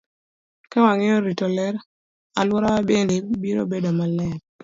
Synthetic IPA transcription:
kawaŋɛjɔɾitɔlɛɾ | alwɔɾawabendibiɾo̰bedomalɛɾ̚

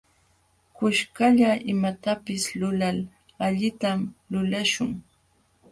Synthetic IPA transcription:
kʊʃkaʎaʔɪmat̪apɪslʊlal | aʎɪt̪amlʊlaʃʊŋ

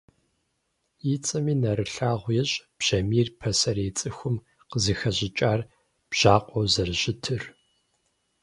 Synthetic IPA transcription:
jit͡sʼɐmiːnɐɾɨɬaːʁʷjɛɕʼb̥ʑ̥ɐmiːrpʰɐsɐɾeːt͡sʼɨxʷʊm | qəzɨxɐʑɪt͡ʃʼaːr | b̥ʒ̥aːqʷʼɔwzɐrʑɪtʰɨr

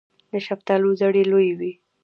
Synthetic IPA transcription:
d̪əʃaft̪ɑluzaɽelojwi

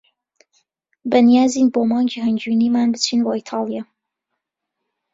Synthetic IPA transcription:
bɐnijaːziːnboːmɑːŋd͡ʒihɐnd͡ʒuniːmaːnbɨt͡ʃʰiːnwajt̪ʰɑːlˠja

